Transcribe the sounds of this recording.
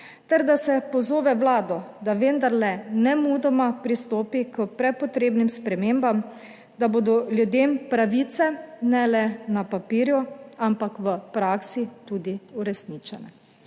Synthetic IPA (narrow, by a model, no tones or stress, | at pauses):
t̪ɛɾd̪asɛpɔzoːʋɛwlaːd̪ɔd̪aʋend̪aɾlɛnɛmud̪ɔmapɾist̪oːpikəpɾɛpɔt̪ɾeːbnimspɾɛmeːmbam | d̪aboːd̪ɔljud̪eːmpɾaʋiːt̪sɛnɛlɛnapapiːɾjuampakʋəpɾaːksit̪uːd̪iuɾɛsnit͡ʃɛnɛ